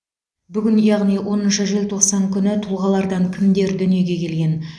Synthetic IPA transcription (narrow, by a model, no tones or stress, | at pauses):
bʏɡʲɪnjɑʁnijwʔo̞nənʃəʒelt̪ʰo̞qsɑŋkʲʰʏnɪt̪ʰʊlˠʁɑlˠɑɾd̪ɑŋkʲʰɪmd̪e̞ɾd̪ʏnijeɡʲe̞kʲʰe̞lɡʲe̞n